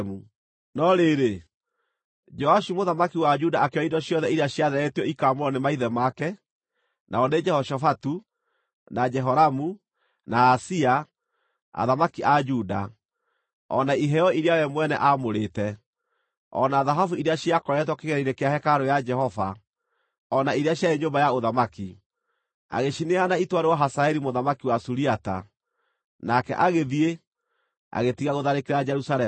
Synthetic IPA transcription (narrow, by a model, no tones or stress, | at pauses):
mu | nɔɾeɾe | d͡ʒɔaʃumoðamakiwad͡ʒudaakeɔidɔɕjɔðɛiɾeaɕjaðɛɾɛetiɔikamoɾɔnemaiðɛmakɛ | nʔa̰ɔned͡ʒɛhɔʃɔfatu | nad͡ʒɛɦɔɾamu | naːsia | a̰ðamakiʔad͡ʒuda̰ | ɔ̰naiɦɛɔiɾeawɛmwɛnɛ̰ʔamoɾetɛ | ɔ̰naðaɦafuiɾeaʃiakɔɾɛt̬wɔkeɣɛɾiɾekeahɛkaɾojad͡ʒɛhɔva | ɔnaiɾeaɕjaeɲombajaoðamaki | a̰ɣeʃineanaitwaɾewaɦasaɛɾimoðamakiwasuɾiata̰ | nakɛ̰ʔaɣeðie | a̰ɣetiɣaɣoðaɾekeɾad͡ʒɛɾusaɾɛ